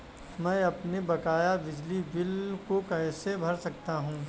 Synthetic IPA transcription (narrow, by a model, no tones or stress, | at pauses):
mɛ̃ːɐpnebɐkaːjabɪd͡ʒlibɪlkokɐ̃ɦsebʱɐɾsɐk̚t̪aɦũː